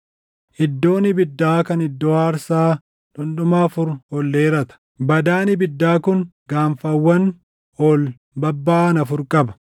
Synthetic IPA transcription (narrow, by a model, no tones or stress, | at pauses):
ʔɪd̪ːo̞ːnɪbɪd̪ːaːkɐnɪd̪ːoːaɐɾsaː | ᶑʊnɗʊmaːfʊɾɔlːeːɾɐt̪ɐ̥ | bɐd̪aːnɪbɪd̪ːaːkʊŋɡaːnfɐwːɐn | oːl | bɐbːaːnɐfʊɾkʼɐbɐ̥